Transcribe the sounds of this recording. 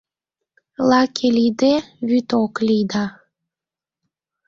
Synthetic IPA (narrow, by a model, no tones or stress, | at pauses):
lɑkʰelid̪eβyt̪oklʲijd̪ɑ